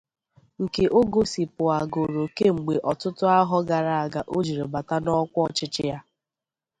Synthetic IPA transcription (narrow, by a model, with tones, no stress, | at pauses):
ŋ̩˨ke˨ʔo˦ɡo˦si˨pʊ˨a˨ɡo˨ɾo˨ke˦ŋ͡m̩˨ɡ͡be˨ʔɔ˨tʊ˦tʊ˦a˦ɦɔ˦ɡa˨ɾa˦˨a˨ɡa˨ʔo˦d͡ʒi˨ɾe˨ba˨ta˦nɔ˦kʷɔ˦t͡ʃɪ˦t͡ʃɪ˦ja˦